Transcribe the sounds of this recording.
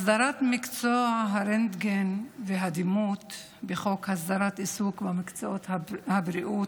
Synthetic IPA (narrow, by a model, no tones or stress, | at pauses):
sdaɾat̪mɪkt͡soaɦaɾɛnd̪ɡenveɦad̪imut̪ | beχokhasd̪aɾat̪isukbamɪkt͡soot̪habɾiʔut